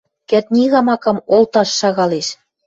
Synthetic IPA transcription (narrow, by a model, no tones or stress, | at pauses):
kæt̪̚nʲiɣɑmɑkɤ̆molt̪ɑʃːɑɣɑleʃ